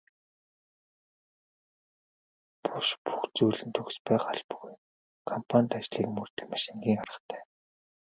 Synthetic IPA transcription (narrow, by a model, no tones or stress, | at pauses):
pʰʊʃpu̥xt͡suːɮɘ̆nt̪ʰɵɣspæːχaɮpɵɣuj | kʰɔmpʰanʲt̪at͡ɕɮiːkmɵrt̪ɘ̥̆kmaʃiŋɡʲiːŋaɾə̆χt̪ʰæ̥ː